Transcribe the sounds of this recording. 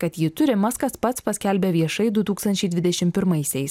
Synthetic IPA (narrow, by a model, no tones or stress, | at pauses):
kɐt̪jiːt̪ʊɾʲɪmɑskɐspɐt̪spɐsʲkʲɛlʲbʲɛʋʲiɛʃɐɪd̪ʊt̪uːkst̪ɐnʲt͡ʃʲɛɪd̪ʲʋʲɪd̪ʲɛʃʲɪmpʲɪɾmɐɪsʲɛɪs